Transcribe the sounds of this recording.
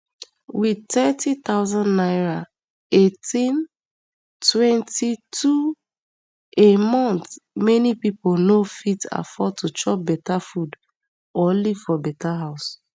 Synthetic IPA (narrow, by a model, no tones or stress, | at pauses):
witɛtit̪aʊzãndnaɹa | etĩn | twɛ̃ntitʰu | emɔ̃ntmɛnipipolnofita̰fɔd̚tut͡ʃɔp̚bɛtafud | oliv̥fɔbɛtaɦaʊs